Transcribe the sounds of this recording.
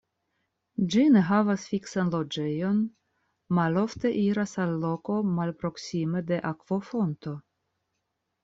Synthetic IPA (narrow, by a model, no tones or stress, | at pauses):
d͡ʒine̞ɦavasfiksanlo̞d͡ʒe̞jo̞n | malo̞fte̞ʔiɾasalːo̞ko̞malpɾo̞ksimede̞ʔakv̥o̞fo̞nto̞